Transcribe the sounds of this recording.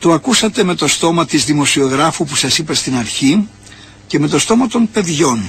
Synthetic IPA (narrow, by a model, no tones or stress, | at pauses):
t̪o̞ɐkusɐt̪e̞me̞t̪o̞st̪o̞mɐt̪izðimo̞sio̞ɣɾɐfupu̥sɐsipɐst̪inɐɾçi | ce̞me̞t̪o̞st̪o̞mɐt̪o̞npe̞ðʝo̞n